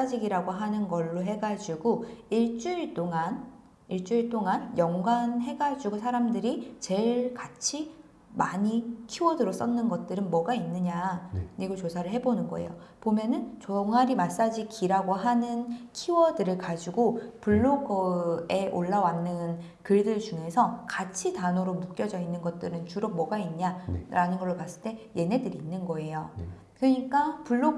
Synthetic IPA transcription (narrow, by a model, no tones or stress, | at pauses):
s͈ad͡ʑiɡiɾaɡoɦanɯnɡʌɭːoɦe̞ɡad͡ʑuɡoiɭt͡ɕ͈uiɭt͈oŋan | iɭt͡ɕ͈uiɭt͈oŋanjʌŋɡwanɦe̞ɡad͡ʑuɡosʰaɾamdɯɾit͡ɕe̞ɭkat͡ɕʰi | maɲikʰiwʌdɯɾos͈ʌnnɯnɡʌt̚t͈ɯɾɯnmʌɡainːɯɲaɲiɡot͡ɕosʰaɾɯɭɦe̞bonɯnɡʌ̰ḛjo | pomjʌnɯnt͡ɕoŋaɾimas͈ad͡ʑikiɾaɡoɦanɯnkʰiwʌdɯɾɯɭkad͡ʑiɡopuɭːoɡʌe̞ʔoɭːawanːɯn | kɯɭdɯɭd͡ʑuŋe̞sʰʌkat͡ɕʰitanoɾomuk͈jʌd͡ʑʌinːɯnɡʌt̚t͈ɯɾɯnt͡ɕuɾʌk̚mʌɡainɲaɾanɯnɡʌɭːoɭpas͈ɯɭt͈e̞je̞nɦe̞dɯɾiːnːɯnɡʌe̞jo | kɾɯɲik͈apuɭːo